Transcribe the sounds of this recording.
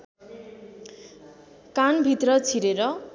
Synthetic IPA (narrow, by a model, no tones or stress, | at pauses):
kanbʱit̪rʌt͡sʰiɾeɾʌ